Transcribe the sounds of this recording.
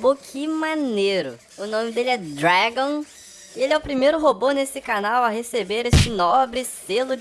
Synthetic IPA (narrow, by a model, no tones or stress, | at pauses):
bokʰɪmaneɾʊ̰ | ʊnõmɪd̪elɪɛd̪ɾaɡõ | ielɪɛʊpɾimejɾʊɦobonesɪkanawɐɦesebeɾest͡ʃɪnɔbɾɪselʊ